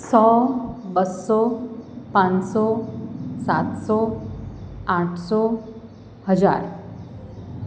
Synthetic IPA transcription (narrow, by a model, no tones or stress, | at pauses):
sɔbəsːɔpãnsɔ | sa̰t̪sɔ | ãʈʰsɔ | həd͡ʒa̰ːɾ